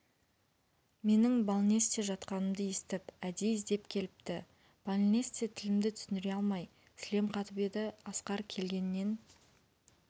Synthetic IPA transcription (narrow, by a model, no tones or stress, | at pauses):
me̞nɪŋbɑlˠnest̪eʒɑt̪qɑnəmd̪əje̞st̪ɪpæd̪ezd̪e̞pkʲʰe̞lɪp̚t̪ɪ | b̥anʲnest̪it̪ʰɪlɪmd̪ɪt̪ʰʏ̥sɪnd̪ɪɾʲe̞ɑlˠmɑj | sɪle̞mqʰɑt̪əpe̞d̪ɪɑsqɑɾkʲʰe̞lɡʲe̞nːe̞n